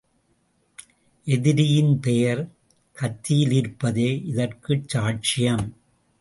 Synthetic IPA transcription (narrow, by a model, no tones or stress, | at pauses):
ʔɛðɪɾɪjɪnpɛjɐɾ | kɐt̪ːɪjɪlɪɾpːɐðeːʔɪðɐrkɯt͡ʃːaːʈ̚t͡ʃɪjɐm